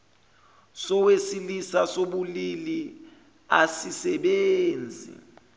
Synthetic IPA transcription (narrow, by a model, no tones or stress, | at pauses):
sɔwesilisasoɓulili | asisɛɓeːnd͡zʱḭ